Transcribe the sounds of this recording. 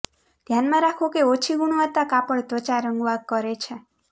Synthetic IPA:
d̪ʱjanmãɾakʰokeot͡ʃʰiɡuɽ̃ʋət̪ːakapəɭt̪ʋət͡ʃaɾəŋɡʋaɡ̚kəɾet͡ʃʰe

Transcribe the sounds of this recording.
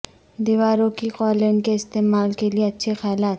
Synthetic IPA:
d̪iʋaːɾokiqɔːlenkeɪst̪eːmaːlkelieɐtːʃʰexɛːlaːt̪

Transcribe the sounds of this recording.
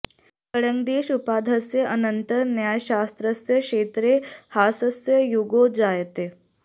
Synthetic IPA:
kəɽəŋɡd̪eɕupad̪ʱəsjəʔənənt̪əɾnjajɕast̪ɾəsjəkʂeːt̪ɾehasəsjəjuɡod͡zajt̪e

